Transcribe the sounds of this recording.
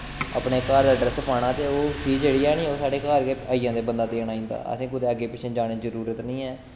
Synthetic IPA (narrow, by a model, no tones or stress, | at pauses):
ə̰ːpɳeːkaːɾd̪aːɖɾəsəpaːɽ̃ãːt̪eːoːt͡ʃiːd͡ʒd͡ʒeːɽiːaːnĩːoːsaːɖeːkaːɾkeaːiːjãːd̪eːbənd̪aːt̪eːənaːĩːnd̪a̰ːə̰sĩːkʊd̪eːəɡeːpɪt͡ʃʰẽːd͡ʒaːɽ̃ẽːzəɾuːɾət̪nĩːɛː